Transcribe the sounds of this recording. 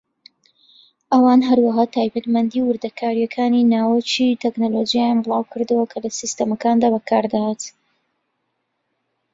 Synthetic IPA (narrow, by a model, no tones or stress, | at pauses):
ʔɐwaːnɦɐɾwɐɦaːt̪ʰaːjbɐt̪mɐnd̪iwɨɾd̪ɐkʰaːɾijɛkʰaːninaːwət͡ʃit̪ʰɛknolod͡ʒijajaːnbɨlˠɑːwkʰɨɾd̪ɨwɐkʰɐlɐsist̪ɐmɐkaːnd̪aːbɐkʰaɾd̪ahaːt̪